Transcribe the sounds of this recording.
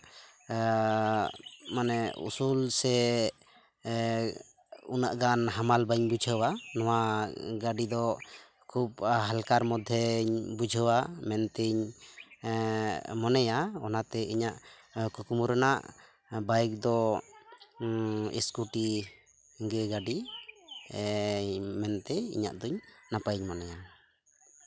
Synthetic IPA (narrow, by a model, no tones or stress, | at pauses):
manɛṵsulsɛ | unaʔɡanɦamalbəɲbud͡ʒʱəwanɔwaɡaɖid̪ɔ | kʰup̚ɦalkaɾmɔd̪ʱɛɲbud͡ʒʱəwamɛnt̪iɲ | mɔnɛjaɔnat̪ɛiɲaʔ | kukumuɾənaʔ | bajk̚d̪ɔ | ḭskuʈi | ɡɛɡaɖi | mɛnt̪ɛḭɲa̰ʔd̪ɔɲnapaɲmɔnɛja